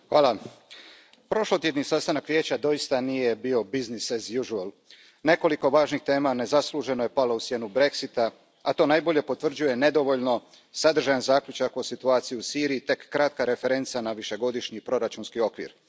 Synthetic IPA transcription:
xʋaːlˠa | pɾo̞ʃlot̪jed̪nisast̪anakʋje̞ːt͡ɕad̪o̞ist̪anije̞bio̞biznisezjuʒual | ne̞ko̞liko̞ʋaːʒnixt̪e̞ːmane̞zasluʒe̞noje̞palo̞usje̞nubɾe̞ksit̪a | at̪o̞ːnajbo̞ʎe̞po̞t̪ʋr̩d͡ʑuje̞ne̞d̪o̞ʋo̞ʎno̞ | sad̪r̩ʒajanzaːkʎut͡ʃako̞sit̪uaːt̪sijuusiːɾijit̪e̞kːɾat̪kaɾe̞fe̞ɾe̞nt̪sanaʋiʃe̞ɡo̞d̪iʃɲipɾo̞ɾat͡ʃunskio̞kʋḭɾ

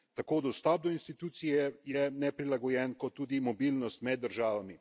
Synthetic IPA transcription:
t̪akoːd̪ɔst̪ɔb̚d̪ɔinst̪it̪uːt̪sijɛjɛnɛpɾilaɡɔjɛnkɔt̪ːuːd̪imɔbilnɔst̪mɛd̪ːəɾʒaːʋami

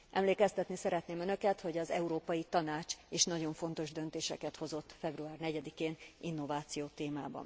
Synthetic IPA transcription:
ʔɛmleːkɛst̪ɛt̪nisɛɾɛt̪neːmønø̞kɛt̪ho̞ɟɒzɛuɾoːpɒjit̪ɒnaːt͡ʃeːʃnɒɟo̞ɱfo̞nt̪o̞ʒd̪ønt̪eːʃɛkɛt̪ho̞zo̞t̪ːfɛbruaːrnɛɟɛd̪ikeːninːo̞vaːt̪sijoːt̪eːmaːbɒ̰n

